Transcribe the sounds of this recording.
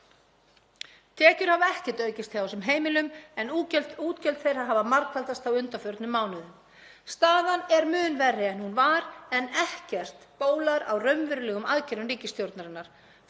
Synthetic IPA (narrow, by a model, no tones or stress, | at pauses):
t̪ʰɛːcʏɾ̥havaɛhcɛ̥ɾ̥t̪œːɥcɪst̪ɪawsɛmɦeːjmɪlʏmɛnucɛlt̪uːt̪cɛlt̪θejɾ̥haðɦaːvamaɾkvalt̪ast̪awʏnt̪afœɾt̪nʏmːaːwnʏðʏm | st̪aːðanɛɾmʏːnvɛrːɪɛnhunvaɾɛnɛhcɛr̥t̪poːwlaɾa̰wrœɥmvʏɾʏlɛːɣʏmaðcʰɛɾʏriːcɪst̪jowɾt̪naɾɪnːaɾ̥